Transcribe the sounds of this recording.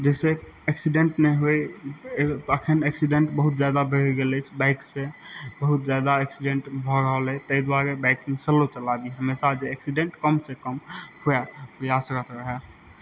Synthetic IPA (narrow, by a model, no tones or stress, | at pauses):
d͡ʒɛse | eksiɖeɳʈnɛɦoj | əkʰəneksiɖeɳʈbəɦut̪d͡ʒad̪abʱəɾiɡelɛt͡ʃʰbaɪksẽbəɦut̪̚d͡ʒjad̪aeksiɖẽɳʈbʱɔɾəɦəlɛt̪əɦid̪waɾebaɪkĩŋɡsəlot͡ʃəlabiɦəmesad͡ʒeːksiɖẽɳʈkəmsekəmhuapɾəjasɾət̪ʰɾəɦɛ